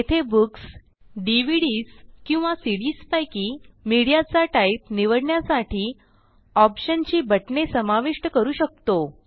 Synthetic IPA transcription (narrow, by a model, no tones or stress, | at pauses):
et̪ʰebuks | ɖiʋiɽiːskĩw̃ʋasiɽiːspajkiːmiɽijat͡saʈaip̚niʋəɽɳjasaʈʰiː | ɔpɕənt͡ɕiːbəʈɳesəmaʋiʂʈəkəɾuːɕək̚t̪o